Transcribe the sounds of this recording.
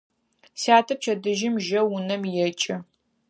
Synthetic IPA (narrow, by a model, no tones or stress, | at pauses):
siaːtʰɐp̚t͡ʃʰɐdɨʒɪmʒɐwʊnɐmjɛt͡ʃʼɪ